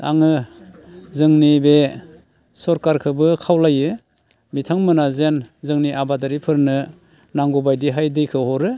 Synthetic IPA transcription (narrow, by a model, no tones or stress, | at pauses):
a̰ŋɯ | zɯŋnibe | sɔɾkaɾkʰɯbɯkʰawlajɯ | mitʰaŋmɯnazenzɯŋniʔabadaɾipʰɯɾnɯ | naŋɡubajdiɦajdɯjkʰɯhɔɾɯ